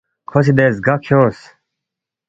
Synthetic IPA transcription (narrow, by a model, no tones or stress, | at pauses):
kʰos̬id̪eːsɡakʰjoːs